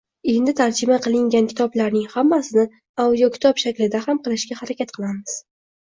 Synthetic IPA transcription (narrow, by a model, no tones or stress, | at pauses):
e̞nd̪ɪt̪ʰaɾd͡ʒɪmaqʰɨlˠɪŋɡʲankʲʰɪ̥t̪ʰɒblaɾnɪŋhamːasɪnɪ | awd̪ijɒkʲʰɪ̥t̪ʰɒpʃakʲlɪd̪ahamqɨlˠɪʃɡʲahaɾakʲat̪̚qʰɨlˠamɪz̥